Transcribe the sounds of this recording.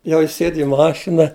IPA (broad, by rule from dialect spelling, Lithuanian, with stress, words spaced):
ˈjɛʊ ˈjɪs ˈsʲeːt ɪ ˈmɑːʃʲɪnɐ